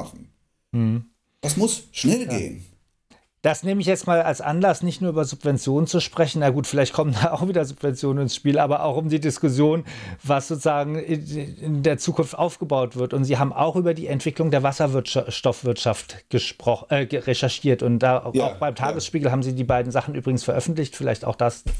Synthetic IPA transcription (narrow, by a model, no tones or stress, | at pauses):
χn̩ | m̩h̩ | d̥asmʊsʃnɛlɡḛːə̰n | d̥asneːməɪçjɛt͡stmaːlalsʔa̰nlasnɪçtnuɐyːbɐzʊpv̥ɛnt͡sjoːnənt͡suʃpʁ̥ɛçn̩jaɡuːtfɪlaɪçtkʰɔməndaːaʊxv̥iːdɐzʊpv̥ɛnt͡sjoːnənɪnsʃpiːlʔaːbɐʔa̰ʊxʊmdiːdɪskʊs̬joːnvasz̥oːt͡sʊzaːɡŋ̩ɪɪndeːɐt͡suːkʊnftʔaʊfɡ̥əbaʊtv̥ɪɐtʊntz̥iːɦaːbm̩ʔa̰ʊxʔyːbɐdiːɛntv̥ɪklʊŋdeːɐvasɐvɪɐtʃʃtɔfv̥ɪɐtʃaftɡ̥əʃpʁ̥ɔʔɛːɡəʁeʃɛɐʃiːɐtʊntd̥aːaʊxb̥aɪmtʰaːɡəsʃpiːɡl̩ɦaːbm̩ziːdiːbaɪdn̩zaχn̩ʔyːbʁɪɡŋ̩sfɛɐʔœfn̩tlɪçtfɪla̰ɪçtaʊxd̥as